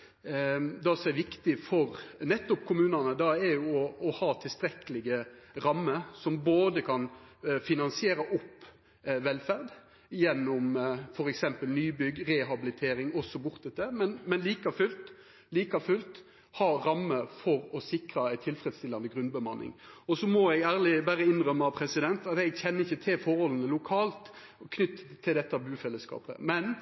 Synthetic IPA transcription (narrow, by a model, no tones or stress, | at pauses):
d̪ɑsɔmɛɾʋɪkt̪ɪfɔɾnɛt̪ːɔpkʰʊmʉːnɑnəd̪ɑɛɾjʊɔːhɑːt̪ʰɪlst̪ɾɛkəlɪɡəɾɑmːəsɔmboːd̪əkʰɑnfɪnɑnsɪeːɾɑʔɔpː | ʋɛlfæʁd̪ | jɛnːɔmfɔɾɛksɛmpəlnyːbʏɡɾɛɦɑbɪlɪt̪ʰeːɾɪŋɔsːɔbʊɾt̪̚d̪ɛt̪ːəmɛnmɛnliːkɑfʉlt̪ | liːkɑfʉlt̪ | hɑːɾɑmːəfɔɾɔsɪkɾɑæɪt̪ʰɪlfɾɛd̪st̪ɪlːɑnd̪əɡʁʉnbəmɑnːɪ̰ŋɔsɔmɔɛɡæːʁlɪbæːɾəɪnʁœmːəɑpʰɾɛsɪd̪ɛnt̪ɑt̪ɛɡçɛnːəɪçːət̪ʰɪlfɔɾhɔlənəlʊkʰɑːlt̪ | kʰnʏt̪ːt̪ʰːɪld̪ɛt̪ːəɑbʉːfɛlːəskɑ̰ːpə̰mɛn